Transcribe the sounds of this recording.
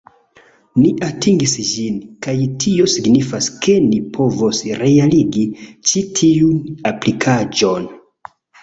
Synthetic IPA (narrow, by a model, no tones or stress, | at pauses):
niʔatʰiŋɡisʒinkajtʰio̞siɡnifaskʰe̞nipʰo̞vosɾe̞aliɡit͡ʃitʰiunaplikʰad͡ʒo̞n